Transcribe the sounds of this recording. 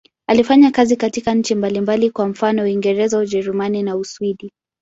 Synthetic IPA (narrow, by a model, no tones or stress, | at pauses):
alifaɲakazikatikaɲ̩t͡ʃimbalimbalikwam̩fanɔwiŋɡɛɾɛzaud͡ʒɛɾumaninauswiɗi